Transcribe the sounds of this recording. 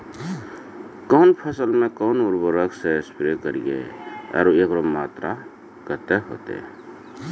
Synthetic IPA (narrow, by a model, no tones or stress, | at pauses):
kɔːnpʰəsəlmẽkɔːnʊɾbəɾəkseespɾekəɾḭɡḛə̰ɾuekɾomaːt̪ɾa | kət̪eɦo̰ːt̪ḛ